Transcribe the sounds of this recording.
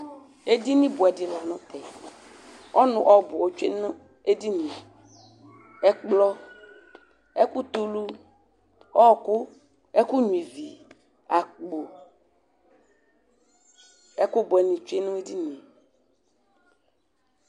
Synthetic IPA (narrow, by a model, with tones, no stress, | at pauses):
e˦di˦nĩ˦bʊ˨ɛ˨di˨la˨nɔ̃˦t̪ɛ˨ | ɔ˦nʊ̃˨ʔɔ˦˨bɔ˨wo˦t͡ʃe˦ñ˦ | e˦di˦nĩ˨ | ɛ˦k͡plɔ˦ | e˦ku˦t̪u˦lu˦ | ɔ˦˨ku˦ | ɛ˦ku˦ɲũ˨i˨vi˨ | a˨k͡po˨ | ɛ˦ku˦bo˨ɛ˨nĩ˨t͡ʃe˦nũ˦e˦di˦nĩ˨